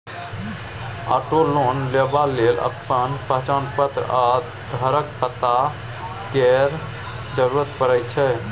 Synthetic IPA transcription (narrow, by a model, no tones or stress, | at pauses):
a̰ʈolonlebalelə̰pːənpəɦt͡ʃanpət̪ɾa | d̪ʱəɾəkpət̪a | kɛɾ | d͡ʒəɾuɾət̪pəɾəjt͡ʃʰɛ